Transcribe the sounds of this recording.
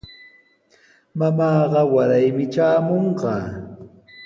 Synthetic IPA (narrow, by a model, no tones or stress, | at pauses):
mamɑːɢɑwaɾajmɪt͡ʃaːmoɴɢɑː